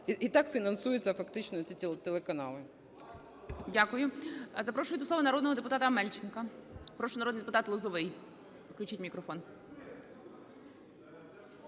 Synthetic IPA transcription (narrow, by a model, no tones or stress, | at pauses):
it̪ɑkfʲinɐnsujɪt͡sʲːɐfɐkt̪ɪt͡ʃnɔt͡sʲit̪ʲt̪ɛlˠekɐnɑlˠɪ | dʲakʊjʊzɐpɾɔʃʊjʊtd̪ʊsˠɔʋɐnɐɾɔd̪nɔɦɔd̪epʊt̪ɑt̪ɐmɛlʲt͡ʃɪnkɐpɾɔʃʊnɐɾɔd̪njd̪epʊt̪ɑt̪lˠʊzɔʋɪj | wklʲʊt͡ʃitʲmʲikɾɔfɔn